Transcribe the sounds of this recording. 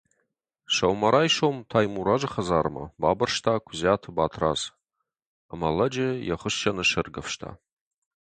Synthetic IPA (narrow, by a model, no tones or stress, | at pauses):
ʂawmaɾajʂomtʰajmuɾaʐɨχazaːrma̰babɨrʂtʰaːkʷʰzatʰɨbaːtʰra̰z | amalɐd͡ʒɪjaχəʃt͡ʃanɨʂɨrɡafʂtʰa̰